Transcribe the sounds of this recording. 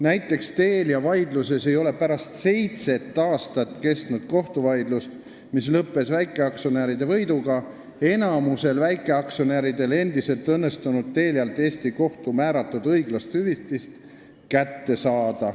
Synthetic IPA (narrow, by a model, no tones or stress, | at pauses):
næjt̪ːˑe̞kst̪e̞ːljɑvɑjd̪luse̞se̞jo̞le̞pæɾɑst̪se̞jt̪se̞t̪ːˑɑːst̪ɑt̪ːˑke̞st̪nud̪̥ko̞ht̪uvɑjd̪lust̪ | mislɤpːˑe̞svæjkːˑe̞ɑksoneɾid̪e̞vɤjd̪uɡɑ | e̞nɑmuse̞lvæjkːˑe̞ɑksoneɾid̪e̞le̞nd̪̥ise̞lt̪ɤnːe̞st̪unud̪̥̚t̪e̞ːljɑlt̪ːˑe̞ːst̪iko̞ht̪umæːɾɑt̪ːˑud̪̥ɤjɡ̥lɑst̪hyvit̪ːˑist̪ | kæt̪ːe̞sɑːd̪̥ɑ